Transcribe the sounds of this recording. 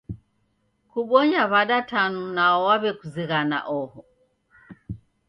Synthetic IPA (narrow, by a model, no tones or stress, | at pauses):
kuɓɔɲaβaɗatanunaɔwaβɛkuziɣana̰ʔɔhɔ